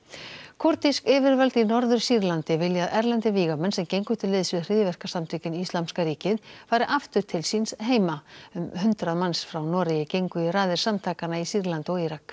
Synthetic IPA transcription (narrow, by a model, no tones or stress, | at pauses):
kʰɔɾt̪iskɪːvɪɾvalt̪inɔɾðʏɾ̥siɾlant̪ɪvɪljaaðɛɾlɛnt̪ɪviːɣamɛnsɛmcejŋkʏt̪ʰɪlːɪːðsvɪðr̥iːðvɛr̥kasamt̪ʰʏːcɪnist̪lamskaɾiːcɪðfaːjɾɪʔaft̪ʏɾ̥t̪ʰɪlsinsɦeːjmaʏmhʏnt̪ɾaðmansfɾawnɔːɾɪjɪcejŋkʏiraːðɪɾ̥samt̪ʰaːkanaisiɾlant̪ɔɣiɾak